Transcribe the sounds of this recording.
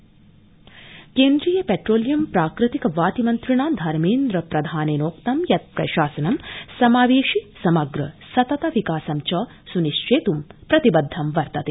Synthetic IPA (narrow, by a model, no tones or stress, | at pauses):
keːnd̪ɾijɐpeʈɾoːlijɐmpɾaːkɾɨt̪ikɐʋaːt̪imɐnt̪ɾiɳaːd̪ʱɐɾmeːnd̪ɾɐpɾɐd̪ʱaːneːnoːkt̪ɐmjɐt̪̚pɾɐ̰ʃaːsɐnɐmsɐmaːʋeːʂisɐmɐɡɾɐsɐt̪ɐt̪ɐʋikaːsɐmt͡ʃɐ | suniʃt͡ʃeːt̪umpɾɐt̪ibɐd̪ʱːɐmʋɐɾt̪ɐt̪i